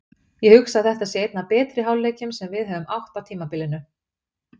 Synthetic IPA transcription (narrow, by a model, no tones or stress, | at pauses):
jɛhʏksaθɛht̪asjɛejt̪napɛːt̪ɾɪɦawlːeːjcʏmsɛmvɪðɦœːvʏmawht̪awt̪ʰiːmapɪlːɪnʏ